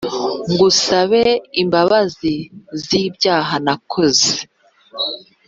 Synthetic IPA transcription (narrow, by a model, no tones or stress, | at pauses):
ŋɡusaβe̞imbaβazizibjaːɦanakʰoze